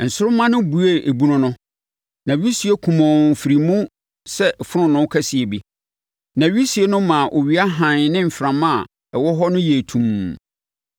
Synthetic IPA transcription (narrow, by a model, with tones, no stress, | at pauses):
n̩˨sʊ˦ɾʊ˦mã˦nʊ̃˦bu˨e˦˨ʔe˨bu˦nʊ̃˦nʊ̃˦ | nã˨ɥi˦si˨e˦kʰũ˨mɔ̃˨fi˨ɾi˨mũ˦ | sɛ˦fʊ˦ɾʊ̃˦nʊ̃˦kʰæ˦si˨e˨bi˦ | nã˨ɥi˦si˨e˦nʊ̃˦mã˨ʔo˨ɥi˨˦a˦ɦã˨n˨˦nɪ̃˦m̩˨fɾã˨mã˦˨ | ɛ˨wɔ˦ɦɔ˦nʊ̃˦je˨tʰũ˨m